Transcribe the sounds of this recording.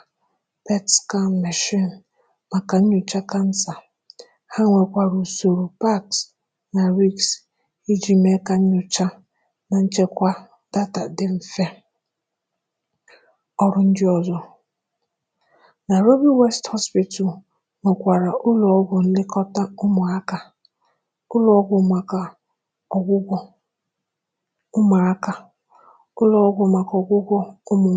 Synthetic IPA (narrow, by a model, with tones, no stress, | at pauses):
pe˦tska˦˨n˨me˨ʃi˦˨n˨ | ma˨ka˨n̩˦ɲʊ˨t͡ʃa˦ka˦n̩˦sa˨ | ha˦ŋʷe˨kʷa˨ɾu˨so˨ɾu˨pa˦ks | na˨ɾi˦˨ks | i˦d͡ʒi˨me˦ka˨ɲ̩˦ɲʊ˨t͡ʃa˦ | na˨n̩˦t͡ʃe˦kʷa˦ | da˦ta˨dɪ˨m̩˨fe˦ | ɔ˦ɾʊ˦n̩˦d͡ʒɪ˦ɔ˨zɔ˨ | na˨ɾo˦bi˦we˦sthɔ˦spi˨tɔ˨l | nʊ˨kʷa˨ɾa˨ʔʊ˦lɔ˨ɔ˦ɡʷʊ˨n̩˦dɪ˦kɔ˦ta˦ʊ˦mʊ˨a˦ka˨ | ʊ˦lɔ˦ɡʷʊ˨ma˨ka˨ | ɔ˨ɡʷʊ˦ɡʷɔ˦ | ʊ˦ma˨a˦ka˨ | ʊ˦lɔ˨ɔ˦ɡʷʊ˨ma˨kɔ˨ɡʷʊ˦ɡʷɔ˦ʊ˦mʊ˨